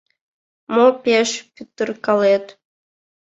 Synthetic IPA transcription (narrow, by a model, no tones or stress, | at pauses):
mopʲeʃpʲyt̪ːə̆rkɑlet̪